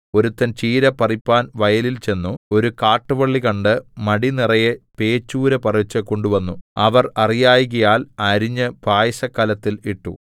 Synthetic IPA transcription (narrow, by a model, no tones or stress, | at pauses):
o̞ɾut̪ːɐnt͡ɕiːɾɐpɐripːaːnʋɐjɐlilt͡ɕe̞nːuo̞ɾukaːʈːɨʋɐɭːikɐɳɖɨmɐɽinirɐjepe̞ːt͡ɕːuːɾɐpɐrit͡ɕːɐko̞ɳɖuʋɐnːuɐʋɐrɐrijaːjiɣɐjaːlɐɾiɲːɐbaːjɐɕɐkːɐlɐt̪ːiliʈːṵ